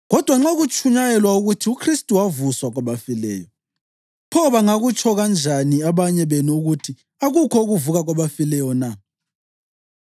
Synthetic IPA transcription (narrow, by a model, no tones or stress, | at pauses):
ɣɔd̥ʱwaŋ͡ǁaɣut͡ʃʼuɲajɛlwauɣutʰiukʰristʼuwavuswaɣwaβafilɛ̰ːjɔ | pʰɔβaŋaɣut͡ʃʰʼɔɣand͡ʒʱaniaβaɲɛβenuuɣutʰi | aɣukʰɔuɣuvuɣaɣwaβafilɛjɔna